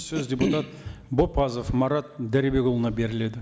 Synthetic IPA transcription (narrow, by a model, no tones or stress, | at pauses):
sɵzdʲe̞put̪ɑt̪bo̞pːɑzofmɑɾɑt̪̚d̪æɾibe̞ɡolˠənɑbe̞ɾɪle̞d̪ɪ